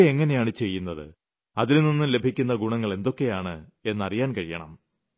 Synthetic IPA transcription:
eŋːɐne̞jaːɳɨt͡ɕe̞jːunːɐðɨ̰ | ɐðilninːɨle̞bʱikʲːunːɐɡuɳɐŋːɐɭe̞nd̪o̞kːe̞jaːɳɨe̞nːɐrijaːnkɐɻijɐ̰ɳɐ̰m

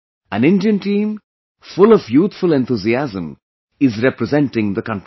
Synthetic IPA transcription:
æ̃nɪ̃nɖiə̃nʈĩːm | fʊlɔvjuːt̪fʊlɛ̃nt̪ʰuziæzə̃m | ɪzɾɛpɾəzɛ̃nʈɪ̃ŋd̪əkʌ̃nʈɾ

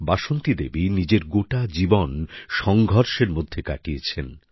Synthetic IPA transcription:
baʃont̪id̪ebinid͡ʑeɾɡoʈad͡ʑibonʃɔŋɡʱɔɾʃeɾmod̪ʱːekaʈijet͡ɕʰen

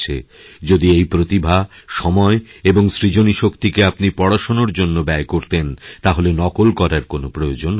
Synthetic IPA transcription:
t͡ɕʰḛ | d͡ʑod̪iejpɾot̪ibʱa | ʃɔmɔeeboŋsɾid͡ʑoniʃokt̪ikeapnipɔɽaʃonoɾd͡ʑonːobɛekoɾt̪ent̪aɦolenɔkolkɔɾaɾkonopɾojod͡ʑon

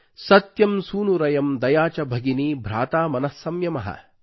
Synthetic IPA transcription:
sɐt̪jɐmsuːnuɾɐjɐmd̪ɐjaːt͡ʃɐbʱɐɡinibʱɾaːt̪aːmɐnɐsːɐmjɐmɐɦɐ̰

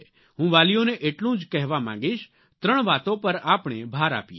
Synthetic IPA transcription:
ɦũʋaːlijoneʔeʈlũd͡ʒkɛɦʋamã̰ŋ̆ɡiʃ | t̪ɾəɳ̃ʋat̪õpəɾapɳ̃ebʱaːɾa̰ːpje

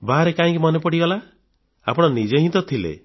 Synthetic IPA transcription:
baɦaɾekaĩkimɔnepɔɽibala | a̰pɔɽ̃ɔnid͡ʒeɦĩt̪ɔt̪ʰilḛ

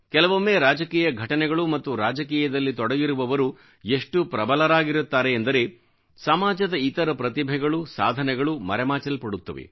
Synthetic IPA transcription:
kɛlɐʋomːeːɾaːd͡ʒɐkiːjɐɡʱɐʈɐnɛɡɐɭumɐt̪ːuɾaːd͡ʒɐkiːjɐd̪ɐlːit̪ɔɽɐɡiɾuʋɐʋɐɾu | eʂʈupɾɐbɐlɐɾaːɡiɾut̪ːaːɾeːnd̪ɐɾe̞ː | sɐmaːd͡ʒɐd̪ɐit̪ɐɾɐpɾɐt̪ibʱɛɡɐɭusa̰ːd̪ʱɐnɛɡɐɭumɐ̰ɾɛmaːt͡ʃɐlpɐɽut̪ːɐʋḛ

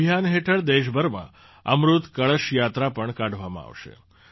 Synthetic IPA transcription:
janɦeʈʰəɭd̪eʃbʱəɾmã̰ | ə̰mɾut̪kəɭəʃjat̪ɾapəɳkaɖʱʋamã̰a̰ʋʃḛ

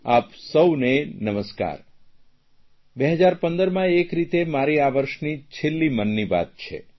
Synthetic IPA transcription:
apsəwnenəməska̰ɾ | beɦəd͡ʒaɾpənd̪əɾmãekɾit̪emaɾiaʋəɾʃnit͡ʃʰelːimənːiʋa̰t̪̚t͡ʃʰḛ

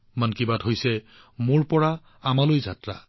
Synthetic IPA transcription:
mankibadɦojsɛ | mʊɹpɔɹa | amalojzatɹa̰

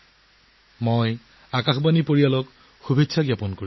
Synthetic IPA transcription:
moj | akaxbanipoɹialɔk | xubʱetːsʰaɡjapɔnkoɹi

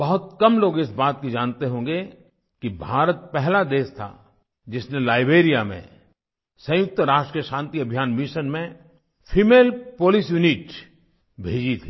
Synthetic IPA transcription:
bɐɦʊt̪̚kɐmloːɡɪsbaːt̪̚kid͡ʒaːnt̪eɦõːŋɡe | kibʱaːɾət̪̚pɛɦlad̪eːst̪ʰa̰ | d͡ʒɪsnelaːɪbeːɾijamḛ̃ | sɐ̃jʊk̚t̪əɾaːʃʈɾijəʃãːnt̪iɐbʱijaːnmɪʃənmẽ | fʰiːmeːlpoːlisjuniʈ | bʱeːd͡ʒit̪ʰiː

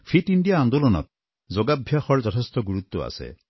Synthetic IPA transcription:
fʰiʈiɳɖijaːnd̪olɔnɔ̰t̪̚ | zoɡabʱjaxɔɾd͡ʒɔt̪ʰest̪ɔɡuɾut̪ːɔa̰sḛ

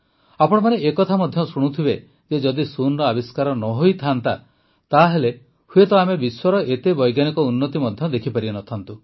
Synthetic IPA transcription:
apɔɽ̃ɔmaneekɔt̪ʰamɔd̪ʱjɔsuɽ̃ut̪ʰibe | d͡ʒed͡ʒɔd̪isunɾɔabiskaɾɔnɔɦojt̪ʰant̪a | t̪aɦele | huet̪ɔamebiswɔɾɔʔet̪ebɔjɡjanikɔunːɔt̪imɔd̪ʱjɔd̪ekʰipaɾibenɔt̪ʰant̪u

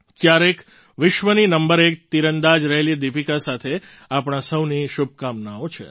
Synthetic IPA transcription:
kjaɾek | ʋɪʃʋəninəmbəɾek̚t̪iɾənd̪ad͡ʒɾəɦelid̪ipikasat̪ʰe | apɳ̃asəwniʃub̚ʱkamnaot͡ʃʰḛ

